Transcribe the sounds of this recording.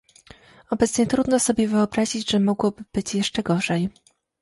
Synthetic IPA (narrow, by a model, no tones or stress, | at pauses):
ɔbɛt̪sɲɛt̪ɾud̪nɔsɔbʲjɛvɘɔbɾaʑid͡ʑʐɛmɔɡwɔbɘb̥ɘt͡ɕjɛʂt͡ʂɛɡɔʐɛj